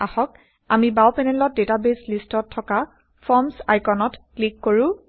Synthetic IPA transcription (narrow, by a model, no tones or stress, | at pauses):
axɔk̚ | amibawpɛnɛlɔt̚detabeslistɔtʰːɔka | fʰɔmsajkɔnɔtklikːoɹũ